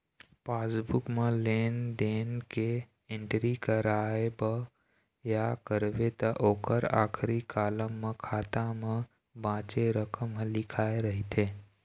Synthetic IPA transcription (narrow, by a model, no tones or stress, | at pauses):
paːsbukmeleːnd̪enke | eɳʈɾikəɾaebə | jakəɾbet̪əʔoːkəɾa̰ːkʰɾikaːləmːekʰaːt̪ame | bãːt͡ʃeɾəkəmɦlɪkʰaeɾəɦit̪ʰe